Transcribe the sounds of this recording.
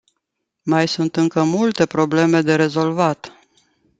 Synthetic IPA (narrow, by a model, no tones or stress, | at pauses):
majsunt̪ɨŋkəmult̪e̞pɾo̞ble̞me̞d̪e̞ɾe̞zo̞lvat̪